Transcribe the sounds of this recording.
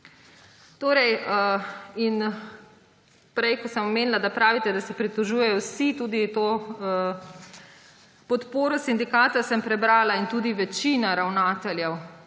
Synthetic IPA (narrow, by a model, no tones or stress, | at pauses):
t̪oːɾɛj | in | pɾɛjkɔsəmɔmeːnilad̪apɾaːʋit̪ɛd̪asɛpɾit̪ɔʒuːjɛjɔwsit̪uːd̪it̪oː | pɔt̪poːɾɔsind̪ikaːt̪asəmpɾɛbɾaːlaint̪uːd̪iʋɛt͡ʃiːnaɾawnaːt̪ɛljɛw